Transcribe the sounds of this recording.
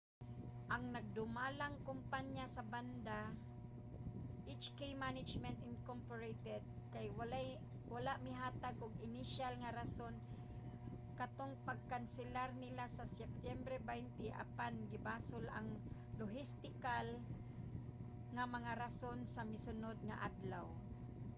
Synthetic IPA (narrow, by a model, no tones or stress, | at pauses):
ʔaŋnɐɡ̚d̪ʊmalaŋkʊmpaɲjasɐband̪a | ʔɪt͡ʃkejmanɪd͡ʒmɛnt̪ɪnkompoɹejt̪ɛd̪̚kajwalaj | walaʔmɪɦaːt̪aɡʔʊɡɪnɪʃalŋaɾason | kat̪oŋpaɡ̚kansɪlaɾnɪlasasɛp̚t̪jɛmbɾɛbajnt̪ɪʔa̰panɡɪbaːsʊla̰ŋ | loɦɪst̪ɪkal | ŋamɐŋaɾasonsamɪsʊnod̪̚ŋa̰ʔad̪law